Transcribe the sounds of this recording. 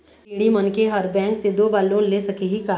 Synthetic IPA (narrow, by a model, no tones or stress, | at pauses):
ɽimɐnkeɦɐɾbɛ̃ːŋksed̪oːbaːlõlesɐkeɦikaː